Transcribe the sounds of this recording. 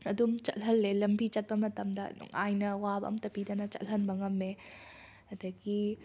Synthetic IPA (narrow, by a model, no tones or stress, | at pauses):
ɐdumt͡ʃɐ̰tɦɐlːelɐmbit͡ʃɐt̚pɐmɐtɐmdɐ̰nṵŋajnɐwabɐ̰ʔɐ̰mtɐpidɐnɐt͡ʃɐ̰lɦɐnbɐŋɐmːe | ɐdɐɡi